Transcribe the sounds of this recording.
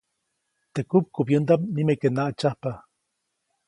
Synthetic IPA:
t̪ekup̚kupjənd̪amnimekenaʔt͡ʃahpa

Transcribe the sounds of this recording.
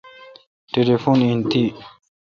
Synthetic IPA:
telefonint̪i

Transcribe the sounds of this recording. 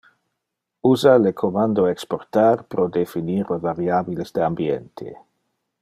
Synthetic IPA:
uzalekʰomand̪oeksport̪arpɾod̪efiniɾlevaɾjabilezd̪eambjent̪ʰḛ

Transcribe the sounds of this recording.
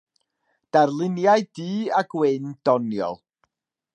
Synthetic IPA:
d̥arlˠɪnjajd̥iːaɡwɪnd̥ɔnjɔ̰lˠ

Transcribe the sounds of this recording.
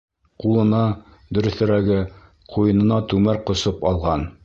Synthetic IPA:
qulˠɤ̆nɑ | d̪ɵ̆ɾɵ̆θɘ̆ɾæɡɘ | qʰujɤ̆nɤ̆nɑt̪ʉmæɾqŏsɤpɑlˠʁɑn

